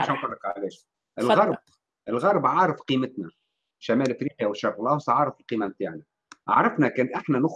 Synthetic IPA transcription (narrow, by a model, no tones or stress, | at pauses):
ʃæːnfɑlˤːɑqʕlɛːʃ | ʔɪlɣɑɾˤb̚ | ɪlɣɑɾˤbʕɑːɾˤɑfqiːmɪt̪næ | ʃːæmæːlʔɪfɾiːqiæwʃːɑɾˤlɑːwsˤʕɑːɾˤɑfɪlqiːmæmt̪aːʕnæ | ʕa̰ʕɾˤɑfnækæːnt̪ʔɪħnænʊx